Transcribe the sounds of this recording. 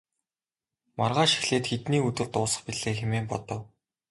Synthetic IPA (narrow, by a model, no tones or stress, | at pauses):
marʁaːʃi̥xɮeːt̪xet̪niːɵt̪ɘ̆ɮt̪ʊːsə̥̆χpiɮeːxemeːmpɔt̪ɞ̆w